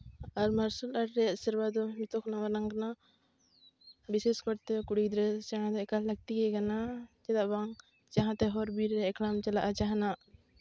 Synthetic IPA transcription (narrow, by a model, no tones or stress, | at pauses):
aɾmaɾsulaɾɾɛasiɾbad̪ɔmit̪ɔkʰnawaɾãŋɡna | biseskɔɾt̪ɛkuɽid̪ɾɛsɛɽ̃ãd̪ɔɛkalləɡ̚t̪iɡɛɡanad͡ʒɛd̪aʔbaŋ | t͡ʃaɦãt̪ɛɦɔɾbiɾːɛɛklamt͡ʃalaʔat͡ʃaɦnaʔ